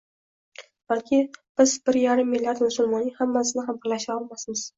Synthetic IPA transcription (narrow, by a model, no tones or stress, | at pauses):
b̥alkʲʰɪb̥ɪzbɪɾjaɾɪmːɪlʲːaɾd̪mʊsʊlˠmɒnːɪhamːasɪnɪɦambɪɾlaʃaɒlˠmasmɪz̥